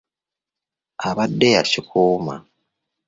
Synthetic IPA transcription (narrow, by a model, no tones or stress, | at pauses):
aβadːeja̰ʃikʰuːma̰